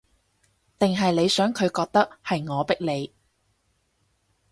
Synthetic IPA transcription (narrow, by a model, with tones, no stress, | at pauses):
t̪ɪ˨ŋɦɐ˨jle˨˧jsœː˨˥ŋkʰɵ˨˧ɥkɔː˧k̚t̪ɐ˥k̚hɐ˨jŋɔː˨˧pɪ˥k̚le˨˧j